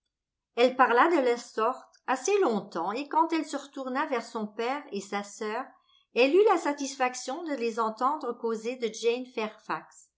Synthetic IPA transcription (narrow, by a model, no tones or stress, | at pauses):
ɛlpaʁlad̪əlasɔʁt̪aselɔ̃t̪ɑ̃ekɑ̃t̪ɛlsəʁət̪uʁnavɛʁsɔ̃pɛːʁesasœːʁ | ɛlylasat̪isfaksjɔ̃d̪əlezɑ̃t̪ɑ̃d̪ʁəkozed̪əʒɛnfɛʁfaks